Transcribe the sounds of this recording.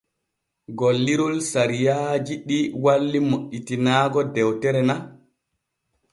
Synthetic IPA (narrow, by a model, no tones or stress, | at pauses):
ɡolːiɾulsaɾijad͡ʒiɗiwalːimoʔitinaːɡɔdɛwtɛɾɛna